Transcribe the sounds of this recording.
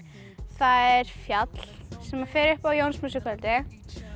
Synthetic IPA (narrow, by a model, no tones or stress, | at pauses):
θaðɛɾ̥fjat̪l̥sɛmaɾ̥fɛːɾɪhpawjownsmuːsɪkvœlt̪ɪ